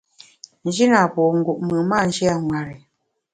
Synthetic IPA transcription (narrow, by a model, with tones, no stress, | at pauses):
n̩˨˦d͡ʒi˦na˨pɔ˨ŋ̩˦ɡu˨ʔmɨ˨ma˦˨n̩˦d͡ʒɛ˦a˦ŋwa˨ɾi˨